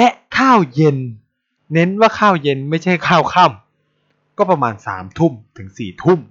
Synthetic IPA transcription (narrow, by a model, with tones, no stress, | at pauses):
lɛ˦˥kʰaː˥˩wje˧nː | e˦˥nwaː˥˩kʰaː˥˩wje˧nma˥˩jt͡ɕʰa˥˩jkʰaː˥˩wkʰa˥˩m | kɔː˥˩pa˧maː˧nsa̰ː˩˦mt̪ʰu˥˩mt̪ʰɯ˩˦ŋsiː˨˩t̪ʰu˥˩m